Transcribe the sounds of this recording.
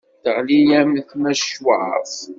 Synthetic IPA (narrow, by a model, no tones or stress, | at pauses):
θəʁlijæməθmæʃwaʕf